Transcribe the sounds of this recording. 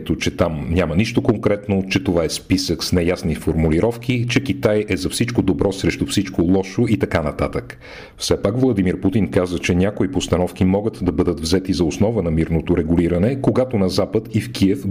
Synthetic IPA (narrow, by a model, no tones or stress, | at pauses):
t̪ot͡ʃɛt̪amnʲaməniʃt̪okoŋkɾɛt̪not͡ʃɛt̪ovaɛspisəksnɛjasnifoɾmuliɾɔfk̟it͡ʃɛk̟it̪ajɛzɐfsit͡ʃkod̪obɾɔsɾɛʃt̪ufsit͡ʃkolˠɔʃoit̪ɐkanɐt̪a̰t̪ək | fsɛpakvlˠɐd̪imiɾput̪inkazət͡ʃɛnʲjakoipost̪ɐnɔfkimɔɡət̪d̪ɐbɤd̪ət̪vzɛt̪izɐosnɔvənɐmiɾnot̪oɾɛɡʊliɾənɛkoɡat̪onɐzapət̪ifkʰiɛf